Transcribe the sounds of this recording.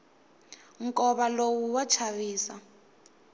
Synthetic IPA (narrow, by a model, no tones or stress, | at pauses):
ŋkʼɔβalowuwat͡ʃʰaβiːsa̰